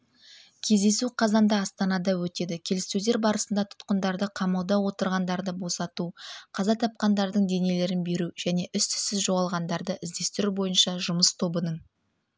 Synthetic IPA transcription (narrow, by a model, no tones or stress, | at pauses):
kʲʰe̞zd̪e̞suqʰɑzɑnd̪ɑːst̪ɑnɑd̪ɑwɵt̪e̞d̪ɪkʲʰe̞lɪst̪ewd̪e̞ɾbɑɾəsənd̪ɑt̪ʰʊ̥t̪qənd̪ɑɾd̪əqʰɑmɑlˠd̪ɑwo̞t̪əɾʁɑnd̪ɑɾd̪əbo̞sɑt̪uqʰɑzɑt̪ʰɑp̚qɑnd̪ɑɾd̪əɴd̪e̞ne̞le̞ɾɪnbe̞ɾuʒ̥æne̞ʔʏst̪ʰʏ̥sɪzʒo̞ʁɑlˠʁɑnd̪ɑɾd̪əʔɪzd̪e̞st̪ɪɾubo̞jənʃɑʒʊməst̪ʰo̞bənəɴ